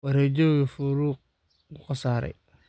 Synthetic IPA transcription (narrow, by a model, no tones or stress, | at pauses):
wɐɾɛd͡ʒɔɣɐfʊɾuːq̚ | kʊqɑsaːɾɛ̰j